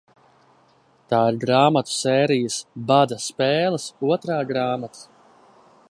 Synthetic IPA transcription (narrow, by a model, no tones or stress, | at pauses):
t̪aːiɾɡɾaːmat̪u̥sɛːɾijəsbad̪ɐspɛːlˠəsuɔt̪ɾaːɡɾaːmat̪ʰḁ